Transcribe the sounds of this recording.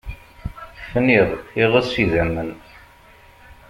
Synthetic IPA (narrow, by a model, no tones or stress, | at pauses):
fniðˤiʁəsiðæmːən